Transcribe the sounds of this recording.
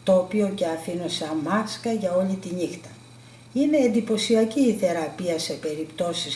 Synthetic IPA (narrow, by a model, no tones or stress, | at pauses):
t̪o̞ːpio̞ce̞ɐfinoseɐmɐskɐʝɐo̞lit̪iɲixt̪ɐ | ine̞ːnd̪ipo̞siɐciːθe̞ɾɐpiɐse̞pe̞ɾipt̪o̞sis